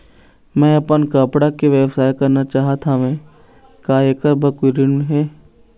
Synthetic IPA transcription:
mɛ̃ːɐpənkɐpɽakeʋeʋsaːjkɐɾnat͡ʃaːɦat̪ʰaʋẽ | kaːekəɾbəkiɾɪɳɦɛː

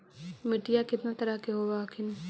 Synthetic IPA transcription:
mɪʈijakɪt̪nãːt̪əɾaɦkeɦoʋakʰɪn

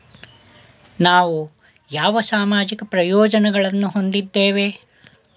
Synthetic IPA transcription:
naːʋu | jaːʋɐsaːmaːd͡ʒikɐpɾɐjɔːd͡ʒɐnɛɡɐɭɐnːuɦo̞nd̪id̪ːeːʋe

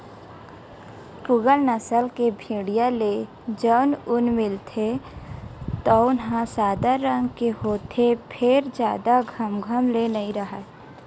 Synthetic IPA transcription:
pʊɡəlnəsəlkebʱĩːɽijale | d͡ʒəːnʊnmɪlt̪ʰe | t̪ɔʊnɦãsaːd̪aɾə̃ŋɡkeɦoːt̪ʰepʰɪɾd͡ʒjaːd̪aɡʱəmɡʱəmlenəĩɾəɦə

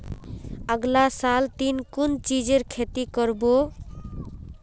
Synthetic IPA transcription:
əɡlasalt̪inkunt͡ʃid͡ʒeɾkʰet̪ikʌɾbo

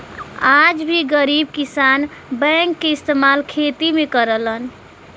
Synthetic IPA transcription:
ad͡ʒbʱiɡəɾib̚kisanbəŋkːeist̪emalkʰet̪imekəɾələn

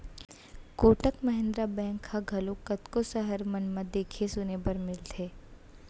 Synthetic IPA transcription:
koːʈəkmɐɦɪ̃nd̪ɾabɛ̃ːŋkʰːaɡʱɐlõkɐt̪kosɐɦəɾmɐnmãd̪eːkʰesʊnebɐɾmɪlt̪ʰeː

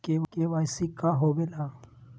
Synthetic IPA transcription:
kekeʋajsikaɦobela

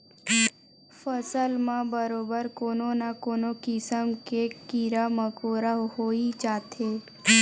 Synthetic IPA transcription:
fəsəlmãbəɾoːbəɾkoːnonakoːnokɪsəmkekiɾaməkoːɾaɦhoːit͡ʃaːt̪ʰeː

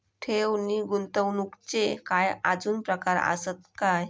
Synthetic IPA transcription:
ʈʰewniɡunt̪əwnukt͡ɕekajad͡zuːnpɾəkaɾə̰sət̪̚kaj

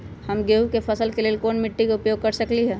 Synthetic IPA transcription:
hɐmɡeːukepʰɐsəlkeleːlkoːnmɪʈːikaʊpjoːɡ̚kɐɾsɐkliɦɛː

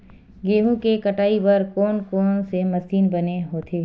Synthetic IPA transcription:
ɡeːɦũkekɐʈaːibɐɾkɔːnkoːnsemɐsiːnbɐneɦoːt̪ʰeː

